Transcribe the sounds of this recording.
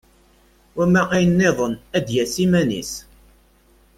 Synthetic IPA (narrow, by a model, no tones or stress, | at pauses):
wæmæʁæjənːɪðˤənæd̪jæsimænḭs